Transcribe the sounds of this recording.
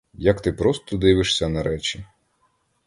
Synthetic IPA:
jɐkt̪ɪpɾɔst̪ɔd̪ɪʋɪʃsʲɐnɐɾɛt͡ʃʲi

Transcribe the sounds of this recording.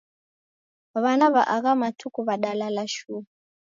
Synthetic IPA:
aβanaβaʔaɣamatʰukuβaɗalalaʃu

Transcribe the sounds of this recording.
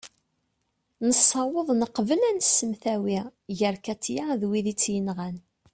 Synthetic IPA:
nəsˤːɑwəðˤnəqvəlænsːəmθæwiʝəɾkæt͡sːjaðwiðit͡sːjənʁæn

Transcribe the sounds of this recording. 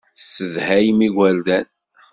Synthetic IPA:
sːəðhæjmiɡʷæld̪æn

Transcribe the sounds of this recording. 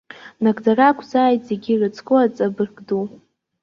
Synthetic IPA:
nakdarakʷʰzaːjtʼze̞ɡʲirɨt͡sʰkʼɨat͡sʼabɨrɡdu

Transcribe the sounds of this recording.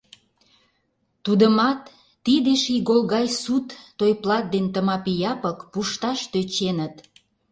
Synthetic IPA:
t̪ud̪əmɑt̪ː | id̪eʃiɣolɣɑjsut̪ːojplɑt̪̚d̪ent̪əmɑpijɑpəkpuʃt̪ɑʃt̪øt͡ɕenət̪

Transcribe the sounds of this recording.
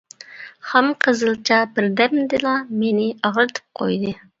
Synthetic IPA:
hæmqʰəzɨlˠt͡ʃʰɑbɪɾd̪ɛmd̪ɪlˠɑmenɪɑʁɾɨt̪ʰɨ̥p̚qʰo̰jd̪ɨ

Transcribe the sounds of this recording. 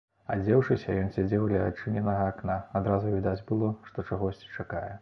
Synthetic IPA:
ad͡zʲɛwʂɨsʲɐjɔnsʲad͡zʲɛwlʲɛa̰t͡ʂɨnʲɛnɐɣɐːknaad̪ɾazuvʲid̪ad͡zʲbɨlˠɔʂt̪ɔt͡ʂaɣɔsʲt͡sʲit͡ʂakajɛ

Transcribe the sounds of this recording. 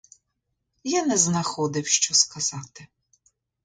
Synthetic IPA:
janɛznɐxɔd̪ɪwʃt͡ʃɔskɐz̥ɑt̪ɪ

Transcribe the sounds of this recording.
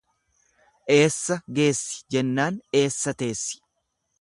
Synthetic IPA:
ʔe̞ːsːɐɡe̞ːsːɪ̥d͡ʒɛnːaːne̞ːsːɐt̪e̞ːsːɪ̥

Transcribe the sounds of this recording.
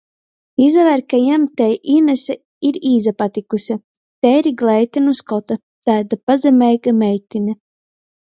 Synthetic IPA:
izavɛɾkajɛmt̪ɛjʔinɛsɛ | iɾiːzapat̪ikusʲa | t̪ɛːɾiɡlɛjt̪ʲɛnuskɔt̪a | t̪aːd̪apazɛmʲɛjɡamɛjt̪ʲinʲɛ

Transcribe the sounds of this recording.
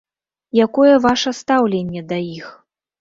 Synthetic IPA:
jakɔjɛvaʂɐst̪awlʲenʲːɛd̪ajix

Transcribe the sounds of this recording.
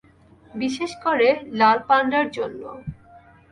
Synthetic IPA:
biʃeʃkoɾelalpanɖaɾd͡ʑonːo̰

